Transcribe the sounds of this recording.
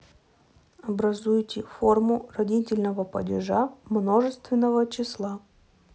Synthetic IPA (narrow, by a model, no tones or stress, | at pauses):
ɐbɾɐzujtʲɪfo̞rmʊrɐdʲitʲɪlʲnəvəpə̰dʲɪʐamno̞ʐɨst̪vʲɪnːəvət͡ɕɪslˠa